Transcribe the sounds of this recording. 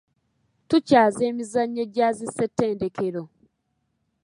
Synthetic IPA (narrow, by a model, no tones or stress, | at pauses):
tucaːze̞ːmizaɲːe̞ɟaːzise̞tːeːnde̞kʰeɾo̞